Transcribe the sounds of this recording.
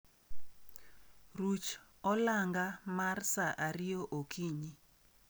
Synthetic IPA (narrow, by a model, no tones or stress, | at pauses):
rut͡ʃ | ɔlaŋɡamarsaʔaɾɪjoʔokiɲi